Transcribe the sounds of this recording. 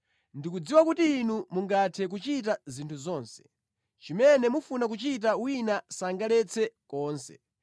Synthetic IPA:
ndikud͡ziwakutiːnumuŋɡatʰɛk̬ut͡ʃit̬azintʰuzɔːnsɛ̥ | t͡ʃimɛnɛmufunak̬ut͡ʃit̬awinasaŋɡalɛt͡sʰɛkɔːnsɛ̰

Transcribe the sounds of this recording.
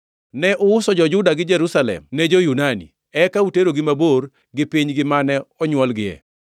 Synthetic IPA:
nɛʔʊʊsɔd͡ʒɔd͡ʒʊdaɡɪd͡ʒɛɾusalɛ̰mnɛd͡ʒojunanḭ | ɛkauteɾoɡɪmabor | ɡɪpiɲɡɪmanɛɔɲwɔlɡɪɛ̰

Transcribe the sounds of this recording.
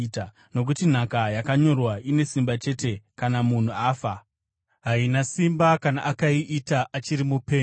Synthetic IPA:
ta | no̞k̬utin̤akajakaɲo̞rwaʔine̞simbat͡ʃe̞te̞kanamun̤uaːfa | ɦainasimbakanaʔakaiʔitaʔat͡ʃiɾimupe̞ː

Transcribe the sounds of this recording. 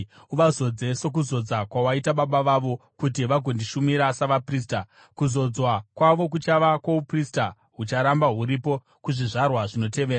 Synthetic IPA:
uʋazo̞d͡ze̞so̞k̬uzo̞d͡zakwawaitaɓaɓaʋaʋo̞kut̬iʋaɡʱo̞ndiʃumiɾasaʋapriːsta | kuzo̞d͡zwakwaʋo̞k̬ut͡ʃaʋakwauprista | ɦut͡ʃaɾambaɦuɾipo̞ | kuʐiʐarwaʐino̞te̞ʋeːra

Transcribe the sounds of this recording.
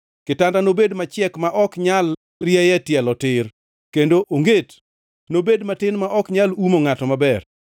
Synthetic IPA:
kɪtandanobedmat͡ʃɪɛkmaʔɔkɲal | rjɛjɛtjɛlɔtɪr | kendoʔoŋɡet | nobedmatɪnmaʔɔkɲalumoŋatɔmabɛr

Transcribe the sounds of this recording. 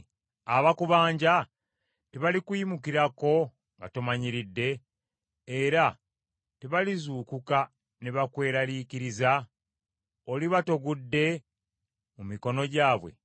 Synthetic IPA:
aβakuβaːɲɟa | teβalikujimukiɾako̞ | ŋɡa̰tomaɲiɾidːe̞ː | ɾa | teβalizuːkuka | ne̞βakwe̞ːɾaliːkiɾiza | oliβato̞ɡudːe̞ | mumiko̞no̞ɟaːβwe̞̰

